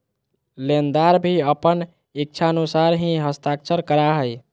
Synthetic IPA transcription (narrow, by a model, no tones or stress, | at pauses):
lend̪aɾbʱiəpən | ik̚t͡ʃʰaənusaɾɦĩɦəst̪akt͡ʃʰəɾkəɾaɦəj